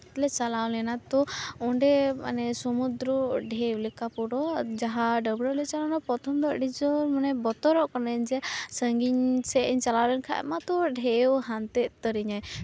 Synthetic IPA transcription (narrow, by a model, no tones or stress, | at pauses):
lɛt͡ʃalawlɛnat̪ɔɔɳɖɛma̰nɛsɔmud̪ɾɔɖʱewlɛkapɔɽɔd͡ʒaɦaɖəbɽɔlɛt͡ʃalanapɔt̪ʰɔmd̪əʔɖid͡ʒɔɾmanɛbɔt̪ɔɾɔʔkɔnɛɲd͡ʒɛsəŋɡiɲsɛʔɲt͡ʃalawlɛnkʰa̰ʔɛ̰mat̪ɔɖʱewɦant̪ɛʔt̪əɾiɲaj